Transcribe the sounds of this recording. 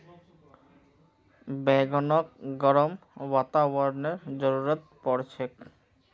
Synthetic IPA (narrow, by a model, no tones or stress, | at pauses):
bɛɡɔnok̚ɡɔɾomwat̪abɔɾneɾd͡ʑɔɾuɾat̪̚pɔɾt͡ɕʰek